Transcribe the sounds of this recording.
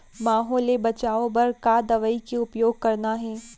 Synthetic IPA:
maːɦoːlebɐt͡ʃaːõbɐɾkad̪ɐʋəikeʊpjoːɡ̚kɐɾnaɦɛː

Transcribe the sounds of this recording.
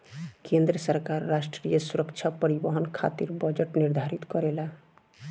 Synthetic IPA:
kend̪ɾəsəɾkaɾːasʈɾijəsuɾəkt͡ʃʰapəɾibəɦənkʰa̰t̪iɾbəd͡ʒəʈniɾd̪ʱaɾit̪kɔɾela

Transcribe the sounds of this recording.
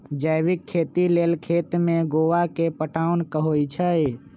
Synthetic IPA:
d͡ʒəjbɪkʰːeːt̪ileːlkʰet̪mẽɡoʋakepəʈaʊnkəɦojt͡ʃʰəj

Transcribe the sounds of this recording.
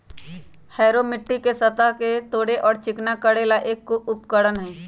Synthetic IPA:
hɛːɾomɪʈːikesət̪aɦket̪oːɽeʔɔːɾt͡ʃɪknakəɽeːlaʔeːkːoʊpkəɽənɦɛ̃ː

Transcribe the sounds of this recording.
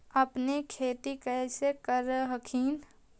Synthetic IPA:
ɐpnekʰeːt̪ikəːsekəɾɦəkʰiːn

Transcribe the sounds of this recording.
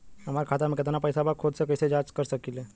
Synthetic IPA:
ɦəmaɾkʰat̪amẽkɪt̪napəjsabakʰod̪sekəjsed͡ʒad͡ʒkəɾsəkile

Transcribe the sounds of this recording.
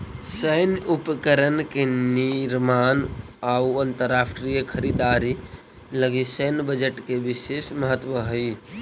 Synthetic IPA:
səjnupkəɾənkeniɾman | auənt̪əɾːasʈɾijəkʰəɾid̪aɾi | ləɡisəjnbəd͡ʒəʈkebisesməɦət̪wəɦəj

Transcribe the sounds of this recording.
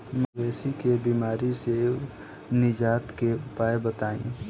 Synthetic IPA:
mʋɛːsikebiːmaːɾise | nɪd͡ʒaːt̪keʊpaːebɐt̪aːḭ̃ː

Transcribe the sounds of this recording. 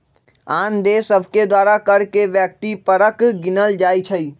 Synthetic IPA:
aːnd̪eːsəbʱked̪waːɾakɐɾkeʋjək̚t̪ipəɾəkɡɪnəld͡ʒaːit͡ʃʰɐiː

